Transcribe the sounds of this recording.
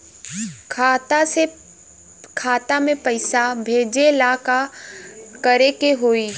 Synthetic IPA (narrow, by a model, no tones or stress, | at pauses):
kʰaːt̪ase | kʰaːt̪amẽpəɪsabʱeːd͡ʒelaːka | kəɾekeɦoːiː